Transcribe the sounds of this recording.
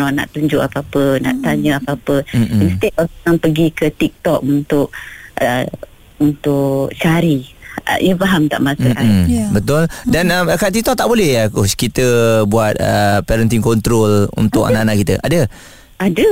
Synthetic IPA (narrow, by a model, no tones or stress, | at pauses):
nɔna̰ʔt̪uɲd͡ʒʊʔapəapəna̰ʔt̪aɲəapəapəinst̪et̪̚ɔaŋpəɡikət̪ik̚t̪ɔk̚unt̪ʊʔ̚ə | unt̪ʊʔʔt͡ʃaɾḭʔəbaɦamt̪a̰ʔmasəaibət̪ʊldanamkat̪ik̚t̪ɔʔ̚t̪aʔbolɛhakoskit̪əbuat̪̚ə̰pɛɾənt̪inkɔnt̪ɾolṵnt̪ʊka̰naanaʔkit̪əʔadə | adə